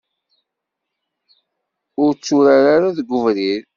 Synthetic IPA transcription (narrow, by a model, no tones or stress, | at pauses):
ʊɾt͡sːʊɾaɾaɾaðɡʷʊvɾiɾ